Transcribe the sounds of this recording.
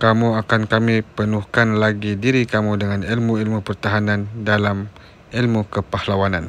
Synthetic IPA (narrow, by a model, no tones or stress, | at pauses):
kamuakankamipənuhkanlaɡidiɾikamudəŋanilmuilmupərt̪aɦanandalam | ilmukəpahlawanan